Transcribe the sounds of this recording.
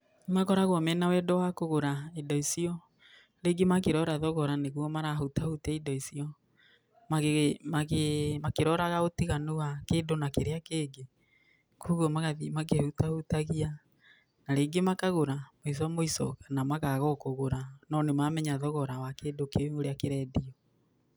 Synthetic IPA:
makɔɾaɣwɔmɛnawɛdɔwakoɣoɾaidɔisiɔ | ɾeːɡemakeɾɔɾaðɔɣɔɾaneɣwɔmaɾaɦutahutɛidɔisiɔ | maemakemakeɾɔɾaɣaotiɣanuwakeːdonakeɾeakeːɡe | kuɣwɔmaɣaimakehutahutaɣia | naɾeɡemakaɣoɾamois̬ɔamoisɔ̰kanamaɣaɣɔkoɣoɾanɔnemamɛɲaðɔɣɔɾawakeːdokeŋoɾeakeɾɛdiɔ

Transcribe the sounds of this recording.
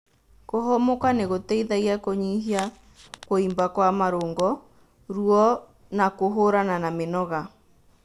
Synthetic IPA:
koɦɔmokaneɣotɛiðaiakoɲiɦia | koimbakwamaɾoːŋɡɔ | ɾuɔ | nakoɦoɾananamenɔɣa

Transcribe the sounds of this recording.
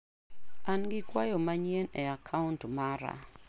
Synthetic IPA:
anɡɪkwajɔmaɲeneakʰauntmaɾa̰

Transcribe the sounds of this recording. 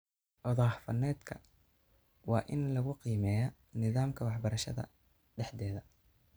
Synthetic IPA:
ʔɔðɑːħfɐnɛːd̪kʰɐ | wɑːʔɪnlɐɣʊqiːmɛːjɔ | nɪðaːmkʰɐwɑħbɐɾɐʃɐ̰ðɐ̰ | ɖɛħd̪ɛːðɐ

